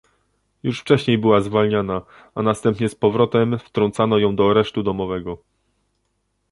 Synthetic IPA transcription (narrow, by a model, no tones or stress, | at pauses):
juʂft͡ʂɛɕɲejbɘwazvalɲana | anast̪ɛmpɲɛspɔvɾɔt̪ɛmft̪ɾɔnt̪sanɔjɔ̃w̃d̪ɔaɾɛʂt̪ud̪ɔmɔvɛɡɔ